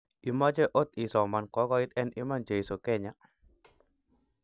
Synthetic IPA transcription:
i˨ma˦t͡ʃɛ˦ʔo˦t̪i˨sɔ˨ma˨nkɔ˨˦kɔ˦i˦t̪ɛ˦nʔi˦ma˦nt͡ʃe˨i˨so˨kɛ˦˨ɲa˨

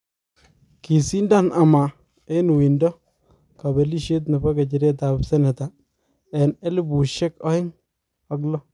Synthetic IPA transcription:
ki˨si˦nda˦˨na˨ma˨ | e˦nu˨wi˨ndɔ˦ | ka˨be˨li˦ʃe˦t̬na˨ba˦ka˨t͡ʃɪ˨ɾe˦ta˨bsɛ˦nɛ˨ta˨ | ɛ˨ne˦lɪ˦bu˨ʃɛ˦kɔ˦ɪ˦ŋ | a˨˦klɔ˦

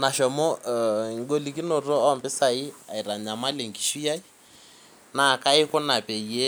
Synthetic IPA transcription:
na˨ʃɔ˨mɔ˦ŋ˦ɡo˦li˨ki˦nɔ˨tɔ˦ɔ˦mbɪ˦sa˨i˦a˨i˨ɾa˨ɲa˨ma˦le˨ŋ˨ki̥˨ʃu˦ja˦i˦ | na˨ka˦ɪ˦kɔ˦na˨pe˨i˨e˦

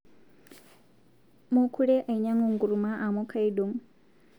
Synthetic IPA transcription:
mu˦kʰu˦ɺe˦ʔa˨i˨ɲa˦ŋu˨ŋɡu˨ɾu˨ma˦ʔa˨mo˦kʰa˦i˦do˨m

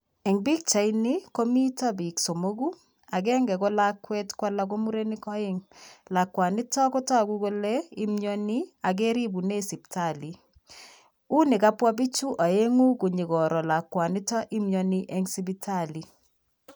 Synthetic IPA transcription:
ɛ˨ŋbi˦k̚t͡ʃa˨ini˦ko˦mi˦ta˦bi˨kso˨mo˦ɡu˦ | a˨kɛ˦ŋɡɛ˨ko˦la˦kːwɛ˦tkwa˦la˦k̬o˦mu˦ɾe˦ni˦kɔ˦ɪ˦ŋla˨kwa˨ni˦tɔ˦ko˦ta˦ku˦ko˦le˦i˦mjo˦ni˦a˨ke˦ɾi˦bu˨ne˦si˨p̚ta˨li˨ | u˦ne˨ka˦pwɔ˦b̬i˦t͡ʃu˦ʔa˨e˦ŋu˦ku˨ɲi˨kɔ˨ɾɔ˨la˨kwa˨ni˦tɔ˦ʔi˦mjɔniʔɛ˨ŋsi˦bi˦tʰali˨

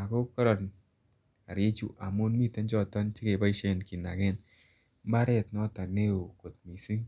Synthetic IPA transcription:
a˨ko˦kɔ˦ɾɔ˨n | a̰˨ɾje˦t͡ʃṵ˨ʔa˨mu˦nmi˦te˦nd͡ʒɔ˦ta˦nt͡ʃɪ˦ke˨ba˦i˦ʃe˦nki˨na̰˨ke˦n˦ | ma˦ɾe˦tnɔ˦ta˨ne˦o˨ko˨t̚mi˨si˦ŋ

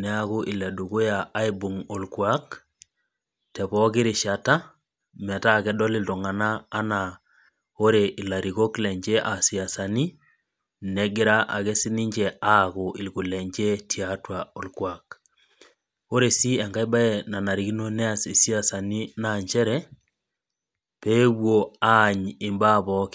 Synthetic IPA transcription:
nɛ˦a˦ku˦ʔɪ˨lɛ˨du˨ku˦ja˨a˦i˦bu˨ŋo˨lkwa˦k | tɛ˨pɔ˦kɪ˦ɾɪ˨ʃa˨ta˦ | mɛ˨ta˦kɛ˦dɔ˦lɪ˨lto˨ŋa˨naː˦na˨ | o˦ɾe˨ʔi˨la˨ɾi˨ko˦klɛ˨ɲd͡ʒɛ˦ʔa˨si˨a˨sa˨ni˦ | nɛ˨ɡɪ˦ɾa˦ʔa̰˨kɛ˦si˦ni˦ɲd͡ʒɛ˨a˦kʊ˨ʔɪ˨lku˨lɛ˨ɲd͡ʒe˦tʰi˨atwa˨o˨lkwa˨k | o˦ɾe˨si˦ɛ˨ŋɡa˦jba˦e˦˨na˨na˨ɾi˨ki˦no˦nɛ˦a˨si˨si˦a˦sa˨ni˦na˨ɲt͡ʃɛ˦ɾɛ˦ | pe˦wo˨a˦˨ɲɪ˨mba˦˨pɔ˦k

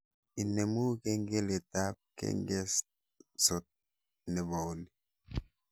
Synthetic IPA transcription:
i˨ne˨mu˦ke˦ŋɡe˦le˨ta˦p̚kḛ˦ŋɡe˦s | so˨t̚ | nɛ˨ba˨o˦li˨˦

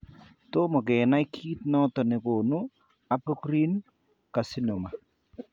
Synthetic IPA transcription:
to˦mɔ˨kɛ˨na˦i˦kʰi˦tnɔ˦tɔ˨nɪ˨ko˨nu˦ | a˨pɔ˦kɾi˦n | ka˨si˦nɔ˨ma˨

